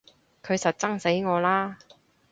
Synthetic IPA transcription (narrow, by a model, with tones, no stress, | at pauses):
kʰɵ˨˧ɥsɐ˨t̚t͡sɐ˥ŋse˨˥jŋɔː˨˧laː˥